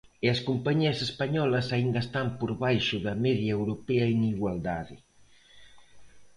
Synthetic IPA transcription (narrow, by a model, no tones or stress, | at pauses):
eɐskumpaɲiɐsespaɲɔlɐsaind̪ɐest̪ampoɾβajʃʊðɐmɛðjaewɾopeɐeŋiɣwald̪aðɪ̰